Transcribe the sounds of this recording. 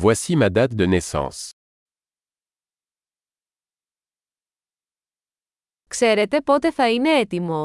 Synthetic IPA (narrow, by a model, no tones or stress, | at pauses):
vwasimad̪at̪̚d̪ənesɑ̰̃s | kse̞ɾe̞t̪e̞po̞t̪e̞θɐine̞et̪imo̞